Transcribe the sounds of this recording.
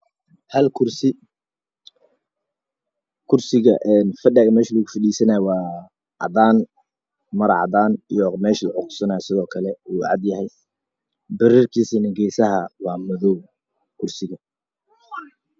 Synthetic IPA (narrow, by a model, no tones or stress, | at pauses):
hɐlkʰʊrsɪ | kʰʊrsɪɣɐʔɛnfɐɖɛɣɐmɛːʃɐləɣʊfɐɗiːsɐnaːjwɑː | ʕɑ̰d̪aːn | mɐɾɑʕɑ̰d̪aːnijɔmɛːʃlʕɔqʊ̥sɐnaːjsɪðɔːkʰɐlɛuːʕɑ̰d̪jɐhɛj | bɐɾiːrkʰiːsiːnɐɡɛjsɐɦɐwɑːmʊðɔw | kʰʊrsɪɣɐ